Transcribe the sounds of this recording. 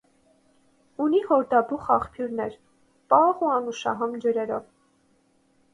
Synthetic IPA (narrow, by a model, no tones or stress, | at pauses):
unihɔɾd̪ɑbuχɑχpʰjuɾnɛɾ | pɑʁuɑnuʃɑ̰ɦɔmd͡ʒəɾɛɾɔv